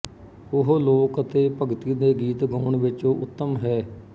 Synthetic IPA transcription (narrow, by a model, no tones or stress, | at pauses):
ʊɦloːkət̪eːpəɡt̪iːd̪eːɡiːt̪ɡɔːɳʋɪt͡ʃoːʔʊt̪ːəmɦɛː